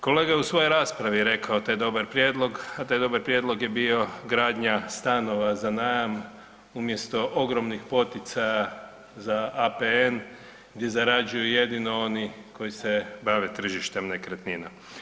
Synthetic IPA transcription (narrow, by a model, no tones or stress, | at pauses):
ko̞leːɡajeusʋo̞joɾaːspɾaʋijeɾe̞kaot̪ajd̪o̞baɾpɾjeːd̪lˠo̞ɡat̪aːjd̪o̞baɾpɾje̞d̪lˠo̞ɡjebio̞ɡɾaːd̪ɲast̪ano̞ʋazanaːjam | umje̞st̪o̞ʔo̞ɡɾo̞mnixpo̞t̪it̪saja | zaapeen | ɡd̪je̞zaɾad͡ʒujuje̞d̪ino̞oni | ko̞jisebaʋe̞t̪r̩ʒiʃt̪e̞mnekɾet̪nina